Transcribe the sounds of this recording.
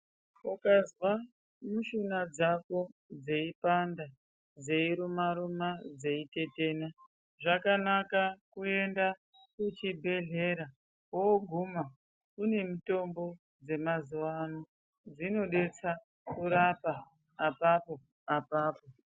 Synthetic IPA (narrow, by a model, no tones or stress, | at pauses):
ukazwa | muʃunad͡zako̞d͡ze̞ipanda | d͡ze̞iɾumaɾumad͡ze̞ite̞te̞ːna | ʐakanakakue̞nda | kut͡ʃibʱe̞ɮe̞ɾa | oːɡʱuma | une̞mito̞mbo̞ | d͡ze̞mazuwano | d͡zino̞ɗe̞t͡sa | kuɾapaː | papo̞ | apaːpo̞